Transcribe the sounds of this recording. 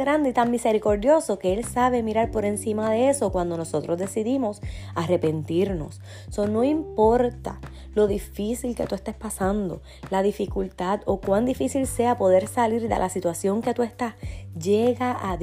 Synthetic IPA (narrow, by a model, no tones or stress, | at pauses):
ɾand̪eit̪aŋmise̞ɾiko̞ɾðjo̞so̞ke̞elsaβ̞e̞miɾaɾpo̞ɾe̞nsimaðe̞e̞so̞kwand̪o̞no̞so̞t̪ɾo̞zðe̞siðimo̞sare̞pe̞nt̪iɾno̞sː | o̞no̞impo̞ɾt̪a̰ | lo̞ðifisilke̞t̪uest̪espasãnd̪o̞̰ | laðifikult̪aðo̞kwand̪ifisilse̞apo̞ðe̞ɾsaliɾd̪ḛlʔasit̪wasjo̞ŋke̞t̪ue̞st̪asd͡ʒeɣaʔa